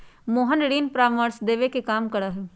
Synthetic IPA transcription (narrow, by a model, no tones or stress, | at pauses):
moːɦənɽiːnpɾaːʋməɾsd̪eːʋekekaːmkɐɽaːɦeː